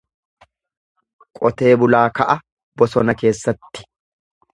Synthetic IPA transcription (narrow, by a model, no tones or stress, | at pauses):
kʼɔt̪e̞ːbʊlaːkɐʔɐ | bɔsɔnɐke̞ːsːɐt̪ːɪ̥